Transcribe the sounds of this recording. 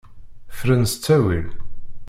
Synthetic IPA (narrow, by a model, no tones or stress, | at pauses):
fɾənst͡sːæwḭl